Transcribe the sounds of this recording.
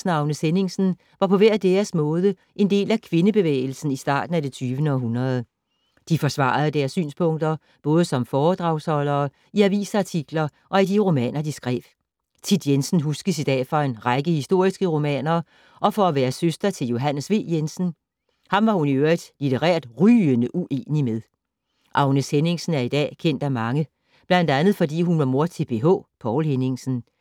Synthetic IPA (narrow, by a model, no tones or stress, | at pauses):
snɑ̈ʊnəsene̝ŋsn̩ | ʋɑ̈pʰɒ̽ʋæɐ̰d̥eɐsmɔ̽ːð̞ˠə | ʔe̝nd̥e̝̰ːlækʰʋe̝nəb̥e̝ʋḛːɪl̩sn̩isd̥ɑ̰̈ːd̥n̩æd̥e̝t͡sʰyːʋənəɒ̽ɦunʁɐð̞ˠ | d̥ifɒ̽sʋɑ̰̈ːð̩ˠəd̥æːɐsːy̰ːnspʰɔ̽ŋ̰d̥ɐ | b̥ɔ̽ːð̞ˠəsɒ̽mfɒːd̥ʁɑ̈ʊshɒ̽lɐː | iæɐʋḭːsɑ̈t͡sʰiɡ̥lɐ | ʔɒ̽id̥iʁo̝mɛ̰ːnɐd̥isɡ̥ʁɛ̰ːb̥ | t͡sʰid̥jensn̩ɦusɡ̥əsid̥ɛ̰ːfɒ̽e̝nʁɑ̈ɪɡ̥əhisd̥o̝ɐ̰isɡ̥əʁo̝mɛ̰ːnɐ | ʔɒ̽fɒæʋæːɐsøsd̥ɐt͡sʰe̝ljo̝ɦænəsʋe̝̰ːjensn̩ | hɑ̈mʋɑ̈huniøɐid̥lit͡sʰeʁɛ̰ɐd̥ʁyːənəʔuʔe̝̰ːnimeð̞ˠ | ʔɑ̈ʊnəshene̝ŋsn̩æɐid̥ɛ̰ːkʰen̰d̥æmɑ̈ŋə | b̥lænd̥ænð̞̩ˠfɒ̽d̥ḭːɦunʋɑ̈mo̝ɐt͡sʰe̝b̥e̝ɦɔ̰ːpʰɒʊlhene̝ŋsn̩